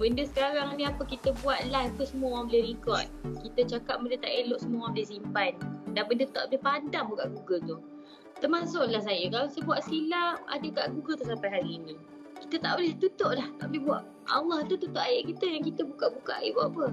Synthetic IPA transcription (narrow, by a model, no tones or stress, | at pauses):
bəndəsə̥kaɾaŋnĩapəkit̪əbuat̪̚lat̪usəmuawabəleɾikɔt̪̚kit̪ət͡ʃakap̚məndət̪aʔeloʔsəmuawabəlehs̬impajdanbəndət̪aʔbəlehpadaŋbukaʔɡuɡət̪u | t̪ərmas̬ʊʔlahs̬ajəkalaisəbuaʔsilaa̰dəkaʔɡuɡət̪usapajɦaɾiːni | kit̪ət̪a̰ʔbolɛht̪ut̪oʔlaht̪a̰ʔboleɦbuaʔ | ɑ̰lɑht̪ut̪ut̪oʔajeʔkit̪əjaŋkit̪əbukaʔbuka̰ʔa̰jḛʔbapə